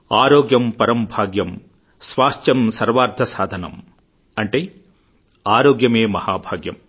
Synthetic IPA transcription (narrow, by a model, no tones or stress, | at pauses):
aːɾoːɡjɐmpɐɾɐmbʱaːɡjɐm | sʋaːʂt̪jɐmsɐɾʋaːɾd̪ʱɐsaːd̪ʱɐnɐ̰m | ɐɳʈeː | aːɾoːɡjɐmeːmɐhaːbʱaːɡjɐ̰m